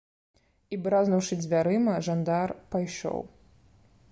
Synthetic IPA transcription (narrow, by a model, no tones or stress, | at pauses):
ibɾaznɐwʂɨd͡zʲvʲaɾɨmɐʐand̪arpajʂɔ̰w